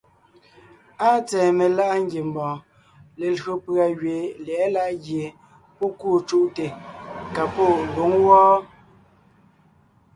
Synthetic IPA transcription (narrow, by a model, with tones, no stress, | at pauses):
a˦t͡sɛː˨me˨la˦ʔŋ˦ɡje˨m˨bɔ̃ː˨ | le˨lɰo˨pɰa˨ɣɥe˨lɛ˨˦la˦ʔɣje˨ | po˦ku˦˨t͡ʃu˦ʔte˨ka˨po˦˨do˨˦ŋwɔː˦